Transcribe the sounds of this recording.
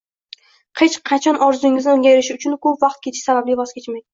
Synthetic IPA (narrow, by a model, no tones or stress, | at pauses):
qʰet͡ʃqʰɑt͡ʃʰɒnʔɒɾzʊɪŋɪznɪoŋɡʲajɾɪʃɪʊt͡ʃʰʊnkʰɵpvɑqt̪̚kʲʰe̞t̪ʰɪ̥ʃsabablɪjvɒzkʲet͡ʃmaj̪